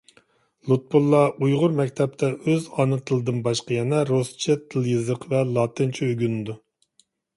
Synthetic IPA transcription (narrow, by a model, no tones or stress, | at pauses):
lˠut̪̚pulˠːɑʔujʁʊɾmɛk̚ʲt̪ʰɛp̚t̪ʰɛʔøzɑnɨt̪ʰɨlˠɨd̪ɨnbɑʃqɑjɛnɛɾost͡ʃʰɪt̪ʰɨlˠjɨzəqʰvɛlˠɑːt̪ʰɨnt͡ʃʰiøɡʲynɨd̪u